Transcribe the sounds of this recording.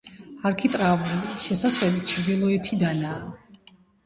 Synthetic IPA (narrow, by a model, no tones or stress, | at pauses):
aɾkʰit̪ʼɾavuliʃɛsaswɛlit͡ʃʰiɾd̪ilˠɔɛt̪ʰid̪anaː